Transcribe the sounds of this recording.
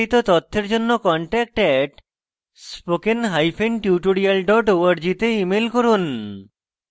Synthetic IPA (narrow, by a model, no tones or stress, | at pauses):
it̪ot̪ɔt̪ʰːeɾd͡ʑonːokɔɳʈɛk̚ʈɛʈ | spokenɦajfʰenʈjuʈoɽialɖɔʈoaɾd͡ʑit̪eimelkoɾun